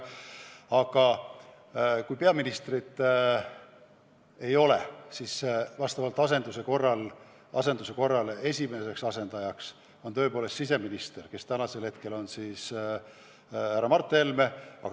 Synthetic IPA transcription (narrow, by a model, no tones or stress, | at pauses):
ɑɡ̥ɑ | kujpeɑminist̪rit̪ːˑ | e̞jo̞le̞̰sisvɑst̪ɑvɑlt̪ːˑɑse̞nd̪̥use̞ko̞rːɑl | ɑse̞nd̪̥use̞ko̞rːɑle̞sʲime̞se̞ksɑse̞nd̪̥ɑjɑks | o̞nt̪ø̞epoːle̞st̪sis̬e̞minist̪e̞rke̞st̪ænɑse̞lhe̞t̪ke̞lo̞nsiːs | hæɾːɑmɑrt̪ːˑeelme̞ɑ̰